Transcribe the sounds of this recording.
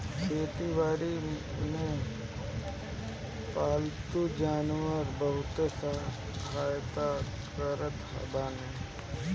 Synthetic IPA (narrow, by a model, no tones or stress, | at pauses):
kʰeːt̪iʋaːɾimẽ | paːlt̪ud͡ʒaːnwəɾbəɦʊt̪esa | kaːjd̪a | kəɾət̪ɦa̰baːneː